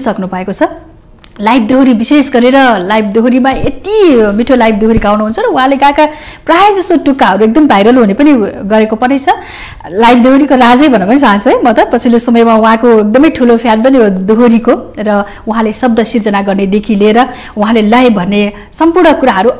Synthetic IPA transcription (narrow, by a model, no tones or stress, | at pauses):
sʌknubʱʌekot͡sʰʌ | lajb̚d̪oɦoɾibisesɡʌɾeɾʌlajb̚d̪oɦoɾimaet̪imiʈʰolajb̚d̪oɦoɾiɡawnuɦunt͡sʰʌɾʌuɦãleɡaka | prajd͡zʌsoʈukːaɦʌɾuek̚d̪ʌmbʱajɾʌlɦunepʌniɡʌɾekopʌnʌjt͡sʰʌ | lajbd̪oɦoɾikoɾad͡zʌjbʱʌnʌpʌnisant͡sʰʌjmʌt̪ʌpʌt͡sʰilosʌmʌjmauɦãkoek̚d̪ʌmʌjʈʰulopʰjanbʌned̪oɦoɾikorʌ | uɦãlesʌb̚d̪ʌsird͡zʌnaɡʌrned̪ekʰileːɾʌ | uɦãlelʌjbʱʌnːe | sʌmpurnʌkuɾaɦʌɾu